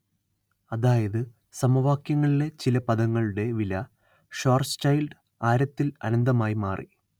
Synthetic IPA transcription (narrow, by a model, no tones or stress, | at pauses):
ɐðaːjɐðɨ | sɐmɐʋaːkjɐŋːɐɭile̞t͡ɕilɐpɐðɐŋːɐɭuɽe̞ʋilɐ | ʂoːrst͡ɕɐjlɖ | aːɾɐt̪ːilɐ̰nɐnd̪ɐmaːjimaːrʔḭ